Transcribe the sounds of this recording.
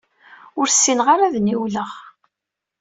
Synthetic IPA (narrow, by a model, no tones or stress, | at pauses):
ʊɾsːinʁaɾaðniwləʁ